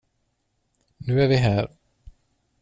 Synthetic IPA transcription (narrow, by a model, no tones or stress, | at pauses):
nʉ̟ːæɾvɪɦæːɾ